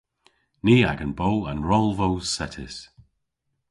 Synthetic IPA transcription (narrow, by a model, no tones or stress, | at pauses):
niːa̰ɡənbowə̃nɹɔlˠvowsɛtʰɪs